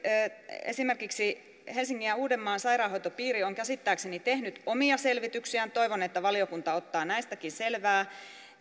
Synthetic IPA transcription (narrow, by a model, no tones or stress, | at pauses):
ḛsimerkiksi | helsiŋːiæuːdemːɑːnsɑirɑːhojt̪opiːrioŋkæsit̪ːæːksenit̪ehnyt̪omiɑselʋit̪yksiænt̪oiʋonet̪ːæʋɑliokunt̪ɑot̪ːɑːnæist̪ækiselʋæː